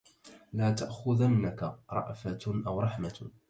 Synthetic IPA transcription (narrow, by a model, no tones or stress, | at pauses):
laːt̪aʔxʊðanːakaɾˤɑ̰ʔfaʔawɾˤɑħma